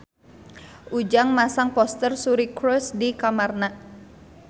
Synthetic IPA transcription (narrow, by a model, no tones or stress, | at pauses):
ʔud͡ʒaŋmasaŋpɔst̪ərsuɾikɾɔsdikamarna